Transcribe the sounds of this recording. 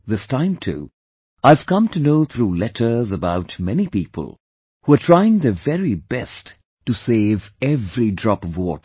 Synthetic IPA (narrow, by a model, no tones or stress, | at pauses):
ðɪstãɪ̃mtʰṵ | aɪv̥kʌ̃mtunoʊt̪ʰɾuːlɛtʰə˞zəbaʊtmɛnipiːpʰə̰l̩ˠ | huətʰɹ̥aɪɪ̃ŋðɨvɛɾibɛst | tːuseɪvɛvɹidɹɑpvɔt